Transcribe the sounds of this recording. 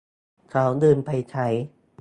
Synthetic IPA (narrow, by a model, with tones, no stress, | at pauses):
kʰa˨˦˥wdɯː˧npʰa˧jt͡ɕʰa˦˥j